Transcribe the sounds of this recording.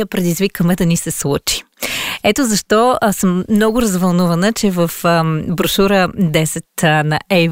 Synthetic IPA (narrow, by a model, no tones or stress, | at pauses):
əpɾɛd̪izvikəmɛd̪ɐnisɛslˠut͡ʃi̥ | ɛt̪ozɐʃt̪ɔsəmːnɔɡʊɾɐzvɐlˠnuvɐnət͡ʃɛvəfəbɾʊʃuɾəd̪ɛsɛt̪nɐʔɛ